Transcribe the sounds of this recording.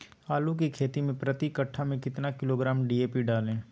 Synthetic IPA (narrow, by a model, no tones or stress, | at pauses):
aːlũkikʰeːt̪imẽpɾɐt̪ikɐʈʰːamẽkɪt̪nakɪloːɡɾaːmɖiːeːpiɖaːlẽː